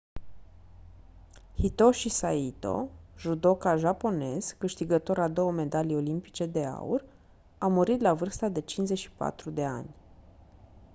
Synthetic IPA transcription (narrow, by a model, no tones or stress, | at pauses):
hit̪o̞ʃisait̪o̞̰ʒud̪o̞kaʒapo̞ne̞z̥kɨʃt̪iɡət̪o̞ɾad̪o̞wəme̞d̪alijo̞limpi̥t͡ʃe̞d̪e̞a̰ṵr | awmuɾit̪lavɨrst̪ad̪e̞t͡ʃinzeʃi̥pa̰t̪ɾud̪e̞a̰nʲ